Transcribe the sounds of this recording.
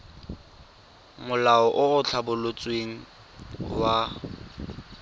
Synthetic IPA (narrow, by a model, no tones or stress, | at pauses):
mʊlaɔʔʊʊt͡ɬʰabʊlot͡sʼweŋ̩ | wa